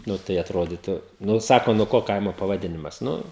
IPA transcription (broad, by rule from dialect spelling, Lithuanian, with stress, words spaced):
ˈnʊ tɐɪ ɐtˈroːdʲiːtʊ ˈnʊ ˈsɑːkoː nuɔ ˈkoː ˈkɐɪmoː pɐʋɐˈdʲɪnʲɪmɐs ˈnʊ